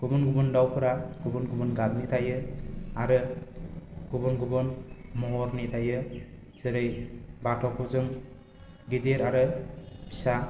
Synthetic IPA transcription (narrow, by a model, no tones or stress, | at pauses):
ɡ̥ubɔnɡubɯndawpʰɯɾaɡ̥ubɔnɡubɯnɡadnitʰajɯaɾɯ | ɡ̥ubɔnɡubɯnmɔɦɔɾnitʰajɯ | z̥ɯɾɯjbatʰɔkʰuzɯŋ | ɡideɾaɾɯbʰi̥sa